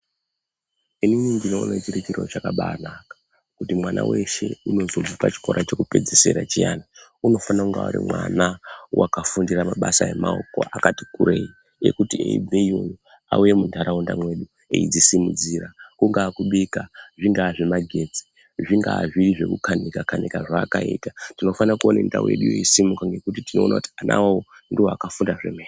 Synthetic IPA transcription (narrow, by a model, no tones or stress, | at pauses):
iniɲiŋɡinonet͡ʃirikiro̞̰t͡ʃakaɓaːnakḁ | kutimwana̰we̞ʃe̞uno̞zo̞b͡vupat͡ʃi̥ko̞ɾʔat͡ʃe̞kupe̞d͡zise̞ɾat͡ʃijaːnauno̞fanauŋɡaṵɾḭmwanawʔakafundiramaɓasae̞̰maoko̞̰akatikuɾe̞ːi | jḛkutiḛḭbʱeioju | a̰uje̞mundaɾaundamwe̞ɗu | eḭd͡zisimud͡ziːrakuŋɡaːkuɓikaʐiŋɡaːʐemaɡʱe̞d͡zi̥ | ʐiŋɡaːʐiriʐe̞̰kṵkʰanikakanikaʐaːkaitatino̞fanakuonenda̰uje̞̰ɗujḛisimukaŋɡe̞kutitino̞ːnʔa̰kuti̥anʔa̰wawondiwoakafundaʐemeː